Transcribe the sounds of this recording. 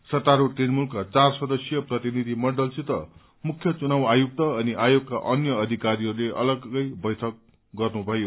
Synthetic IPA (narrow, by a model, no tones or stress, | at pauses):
sʌt̪ːaɾuʈinmulkːat͡sarsʌd̪ʌsjʌprʌt̪inid̪ʱimʌɳɖʌlsit̪ʌ | mukʰjʌt͡sunawajuk̚t̪ʌʌniʔajoɡ̚ka̰ʔʌnjʌːd̪ʱikaɾiɦʌɾuleʔʌ̰lʌɡʌjbʌjt̪ʰʌk̚ | ɡʌrnubʱʌjo